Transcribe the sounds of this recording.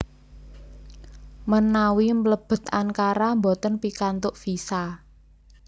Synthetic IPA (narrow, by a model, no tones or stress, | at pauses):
mənawimləb̥ə̤t̪ankaɾambot̪ənpikant̪ʊʔfisa